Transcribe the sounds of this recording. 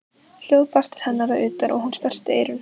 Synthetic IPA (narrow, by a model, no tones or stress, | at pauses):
l̥jowðpast̪ɪ̥ɾ̥hɛnːaɾaʏːt̪aɾʔɔ̰ɣhunspɛr̥st̪ɪeːjɾʏn